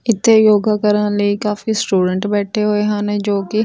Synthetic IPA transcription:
ɪt̪ʰːejoːɡaːkəɾənləikaːfisʈuːɖəɳʈbɛːʈʰeɦoeɦãːnẽd͡ʒoːkɪ

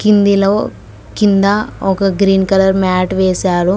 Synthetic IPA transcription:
kind̪iloː | kind̪ɐɔkɐɡɾiːnkɐlɐɾmaːʈʋɛːsaːɾu

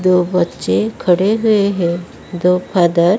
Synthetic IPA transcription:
d̪oʋətːɕekʰəɽeɦueɦe | d̪opʰad̪əɾ

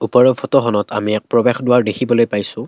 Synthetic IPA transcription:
upɔɹɔbfʰɔtɔɦɔnɔtamiɛk̚pɹɔbexdʊwaɹdekʰibɔlojpajsʊ̃

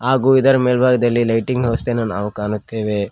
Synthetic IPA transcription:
ɦaːɡuːid̪ɐɾɐmeːlbʱaːɡɐd̪ɐlːilɐjʈiŋɡɦoːst̪enaːnɐ̰ʋɐkaːnut̪ʰːeːʋe

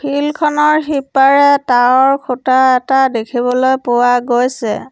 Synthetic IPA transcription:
pʰilkʰɔnɔɹxipːaɹɛtaɔɹkʰutaɛtadekʰiβɔlojpʊwaɡojsɛ̰

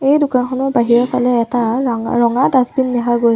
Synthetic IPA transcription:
ejdʊkankʰɔnɔɹbaɦiɹɔpʰalɛɛtaɹɔŋadasbinːɛɦaɡoj

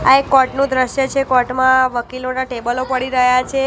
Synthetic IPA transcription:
aekːɔʈnũd̪ɾəʃjət͡ʃʰekɔʈmãʋəkilonaʈebəlopəɽiɾəɦjat͡ʃʰe

